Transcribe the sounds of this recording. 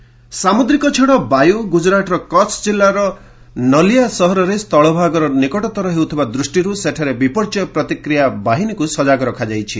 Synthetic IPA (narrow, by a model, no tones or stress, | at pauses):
samud̪ɾikɔt͡ʃʰeɽ̃ɔbajuɡud͡ʒɾaʈɔɾɔkɔt͡ʃʰd͡ʒilːaɾɔ | nɔlijasɔɦɔɾɔɾest̪ɔɭɔbʱaɡɔɾɔnikɔʈɔt̪ɔɾɔɦewt̪ʰibad̪ɾusʈiɾuseʈʰaɾebipɔɾt͡ʃɔjɔpɾɔt̪ikɾijabaɦinikusɔd͡ʒaɡɔɾɔkʰad͡ʒajt͡ʃʰi